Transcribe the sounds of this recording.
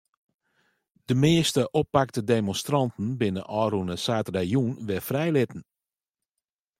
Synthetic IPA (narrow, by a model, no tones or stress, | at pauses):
d̥əmɪəstəʔɔpːaktədeːmɔnstrɑntn̩bɪnəʔɔːɾunəsaːtdajuːnʋɪfrɛjlɪtən̩